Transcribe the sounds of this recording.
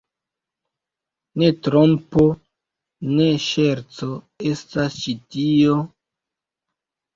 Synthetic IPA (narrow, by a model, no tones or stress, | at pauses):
ne̞tɾompo | ne̞ʃeɾt͡so | estast͡ʃitio